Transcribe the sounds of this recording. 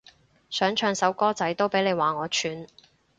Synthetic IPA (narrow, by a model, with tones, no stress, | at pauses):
sœː˨˥ŋt͡ʃʰœː˨˧ŋsɐ˨˥wkɔː˥t͡sɐ˨˥jt̪o˥wpe˨˥jne˨˧jwaː˨ŋɔː˨˧t͡ʃʰyː˨˧n